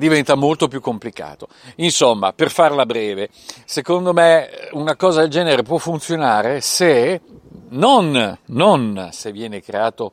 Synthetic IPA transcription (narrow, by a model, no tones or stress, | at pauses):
d̪ivɛnt̪amolt̪opjukːomplika̰ːt̪o | insomːa̰perfarlabɾɛːve | sekond̪omeunakɔːzad̪eld͡ʒɛːneɾepwɔfːunt̪sjonaːɾese | nonːonsevːjɛːnekɾeaːt̪o